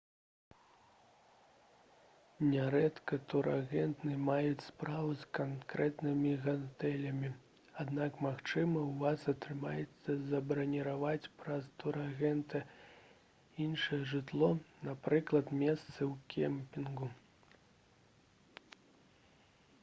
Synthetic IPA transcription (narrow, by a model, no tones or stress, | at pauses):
nʲɛɾɛt̪kɐt̪uɾaɣɛnt̪nɨmajut͡sʲspɾavɨskankɾɛt̪nɨmʲiɣant̪ɛlʲɐmʲi | ad̪nakmaxt͡ʂɨmɐwvasɐt̪ɾɨmajɛt̪sːɐzɐbɾɐnʲiɾavat͡sʲpɾɐst̪uɾaɣɛnt̪ɨ | inʂɨjɛʐɨt̪lˠɔnapɾɨklˠɐt̪mʲɛst̪sɨwkʲɛmpʲinɡu